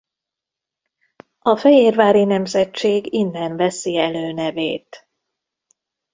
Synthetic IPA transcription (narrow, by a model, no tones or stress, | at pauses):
ɒfɛjeːrvaːɾinɛmzɛtt͡ʃeːɡinːɛnvɛsiɛløːnɛveːt̪